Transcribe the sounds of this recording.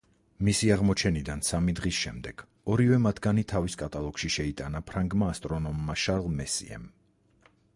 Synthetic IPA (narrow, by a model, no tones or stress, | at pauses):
misiaʁmɔt͡ʃʰɛnid̪ansamid̪ʁisʃɛmd̪ɛɡ̥ | ɔɾivɛmat̪ʰɡ̥anit̪ʰaviskʼat̪ʼalˠɔɡ̥ʃiʃɛit̪ʼanapʰɾaŋɡmaːst̪ʼɾɔnɔmːaʃaɾlˠmɛsḭɛ̰m